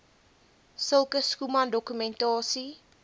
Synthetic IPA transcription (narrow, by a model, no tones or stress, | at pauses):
səlˠkəskumɐndɔkymɛntɑːsi